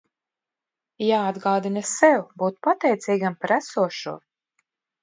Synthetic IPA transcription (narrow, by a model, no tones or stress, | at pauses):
jaːad̪ɡaːd̪inasɛwbuːt̪pat̪ɛjt̪siːɡampaɾæsuɔʃṵɔ